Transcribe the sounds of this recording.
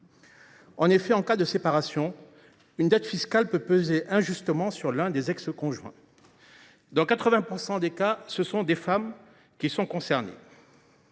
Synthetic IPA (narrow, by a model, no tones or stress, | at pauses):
ɑ̃nefɛɑ̃kad̪əsepaʁasjɔ̃ | ynd̪ɛt̪fiskalpøpøzeʔɛ̃ʒyst̪əmɑ̃syʁlɛ̃d̪ezɛkskɔ̃ʒwɛ̰̃ | d̪ɑ̃kat̪χəvɛ̃puʁsɑ̃d̪ekasəsɔ̃d̪efam | kʲisɔ̃kɔ̃sɛʁnḛ